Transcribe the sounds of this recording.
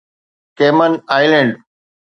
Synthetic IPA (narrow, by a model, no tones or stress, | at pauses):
keːmənaːɪlẽɳɖ